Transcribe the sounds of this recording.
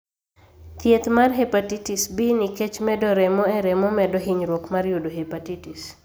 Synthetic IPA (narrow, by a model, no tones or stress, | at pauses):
t̪jet̪marɦepatitisbinikɛt͡ʃmɛdɔɾɛmɔɛɾɛmɔmɛdoɦiɲɾwokmarjodoɦepatitis